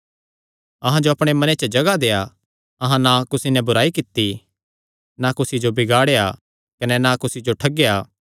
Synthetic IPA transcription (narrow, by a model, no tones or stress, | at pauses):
ɐɦãd͡ʒoɐpɽ̃emɐnet͡ʃəd͡ʒɐɡad̪eːa | ɐɦãnakʊsinɛbʊɾaːikɪt̪ːi | nakʊsid͡ʒobɪɡaːɽeja | kɐnɛnakʊsid͡ʒoʈʰɐɡejaː